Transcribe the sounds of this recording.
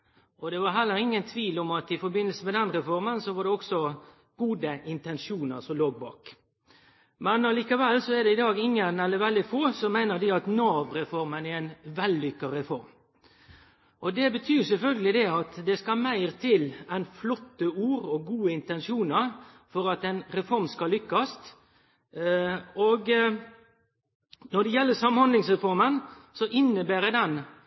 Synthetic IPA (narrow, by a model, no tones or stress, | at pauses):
ʔɔd̪ɛʋɑɾɦɛlːəɾɪŋːənt̪ʰʋiːlɔmɑt̪ɪfɔɾbɪnːəlsəmɛd̪ɛnɾɛfɔɾmənsɔʋɑɖ̪ɛɔksɔ | ɡ̥uːd̪əɪnt̪ɛnʂuːnəɾsɔmloːɡ̚bɑ̰ːk | mɛnɑliːkɑʋɛlːsɔɛɾd̪ɛɪd̪ɑːɡɪŋːənɛlːəʋɛld̪ɪfoːsɔmæɪnəɾd̪ɪɑt̪nɑːʋɾɛfɔɾmənææɪnʋɛlːʏkːəɾɛfɔɾm | ʔɔd̪ɛbət̪ʰyːsɛlfœlɡəlɪd̪ɛɑt̪d̪ɛskɑmæɪʁt̪ʰɪlæɪnflɔt̪ːəuːɾɔɡuːəɪnt̪ɛnʂuːnəɾ | fɔɾɑt̪ɛɪnɾɛfɔɾmskɑlʏkːɑst̪ | ɔɡ | nɔɖ̪ɛjɛlːəsɑmhɑnd̪lɪŋsʁɛfɔɾmənsɔʔɪnːəbæːɾɛd̪ɛn